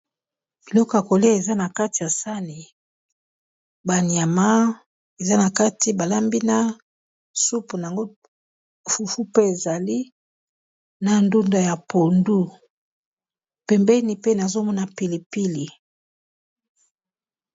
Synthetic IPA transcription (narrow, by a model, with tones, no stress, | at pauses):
b̥i˨lɔ˦ko˨a˨ko˨le˦e˨za˦na˨ka˦ti˨ja˨sa˦ni˨ | ba˨ni˨a˨ma˦ | e˨za˦na˨ka˦ti˨ba˨la˦mbi˦na˦ | su˦pu˨na˨a˨ŋɡo˦˨ | fu˨fu˦pe˦e˨za˨li˦ | na˨ndu˦nda˨ja˨po˨ndu˦ | pɛ˨mbɛ˦ni˨pe˦na˨zo˦mɔ˦na˨pi˨li˨pi˦li˨